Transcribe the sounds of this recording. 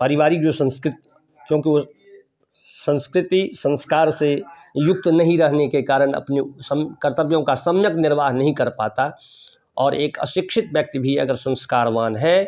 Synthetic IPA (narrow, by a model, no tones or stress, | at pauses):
pəɾɪʋaːɾik̚d͡ʒosə̃nskɾɪt̪ | kjõːkio | sə̃nskɾɪt̪isə̃nskaːɾse | jʊk̚t̪nɐɦĩɾɐɦnekekaːɾəɽ̃ɐ̰pnisəmkəɾt̪əbjõkasɐmjək̚nɪɾʋaːɦnɐɦĩkɐɾpaːt̪a | ɔːɾeːkə̰ʃɪkʃɪt̪̚bjək̚t̪bʱiɐ̰ɡəɾsə̃nskaːɾʋaːnɦɛ